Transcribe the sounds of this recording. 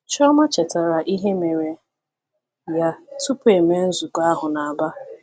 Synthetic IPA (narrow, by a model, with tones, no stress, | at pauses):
t͡ʃɔ˦ma˦t͡ʃe˨ta˨ɾa˨ʔi˦ɦe˦me˨ɾe˨ | ja˦tʊ˦pe˨me˦n̩˦zu˨ka˦ɦʊ˨na˨a˨ba˦